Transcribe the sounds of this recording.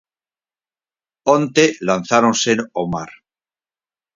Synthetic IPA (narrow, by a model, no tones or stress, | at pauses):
ont̪elan̟θaɾonsenoma̰ɾ